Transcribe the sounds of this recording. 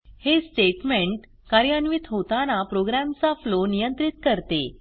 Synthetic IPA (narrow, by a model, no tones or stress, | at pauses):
hesʈeʈmeɳʈ | kaɾjanʋit̪ɦot̪anapɾoɡɾamt͡saflonijənt̪ɾit̪kəɾt̪ḛ